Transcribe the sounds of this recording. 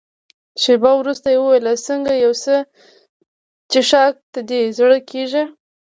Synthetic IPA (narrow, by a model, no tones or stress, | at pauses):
ʃebɑwɾust̪ajewəwajlasəŋɡajawsə | t͡ʃɪʃɑk̚d̪əd̪ezɽəkʰeʒi